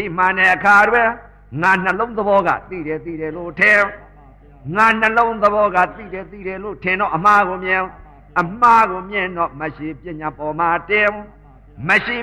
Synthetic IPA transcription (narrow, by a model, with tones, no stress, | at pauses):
i˦˨m̥ã˨nɛ˨ʔəkʰa˨dwɛ˦ | ŋa˨n̥əlõ˦ʊ̃nd̪əbɔ˦ɣa̰˦˨t̪ḭ˦˨ɾɛ˨t̪ḭ˦˨ɾɛ˨lo˨tʰɪ̃˨ | ŋa˨n̥ə˨lõ˦ʊ̃d̪əβɔ˦ɣa̰˦˨t̪ḭ˦˨ɾɛ˨t̪ḭ˦˨ɾɛ˨lo˦˨tʰɪ̃˨ndɔ̰˦˨ʔə˨m̥a˦˨ɣo˨mjɪ̃˨ | ʔə˨m̥a˦˨ɣo˨mjɪ̃˨ndɔ̰˦˨mə˨ʃe˨pjɪ̃˦˨ɲa˨pɔ˨ma˨tɪ̃˨ | mə˨ʃe˨